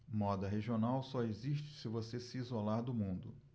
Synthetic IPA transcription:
mɔd̪ɐɦeʒionawsɔeziʃt͡ʃɪ̥sɪvosesiizolaɾd̪ʊmũnd̪ʊ

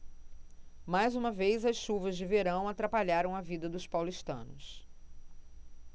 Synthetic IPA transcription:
majzũmɐvejzɐsʃuvɐzd͡ʒɪveɾɐ̃w̃at̪ɾapaʎaɾɐ̃w̃ɐvid̪ɐd̪ʊspawliʃt̪ɐ̰̃nʊ̰s

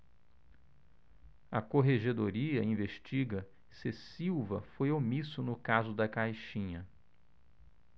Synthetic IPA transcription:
ɐkoɦeʒed̪oɾiɐĩveʃt͡ʃiɡɐ | sesiwvɐfojomisʊnʊkazʊd̪ɐkajʃĩɲɐ

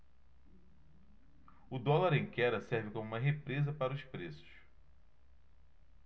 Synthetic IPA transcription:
ʊd̪ɔlaɾẽj̃kɛɾɐsɛɾvɪkõmuũmɐɦepɾezɐpaɾɐʊspɾesʊ̥ʃʃ

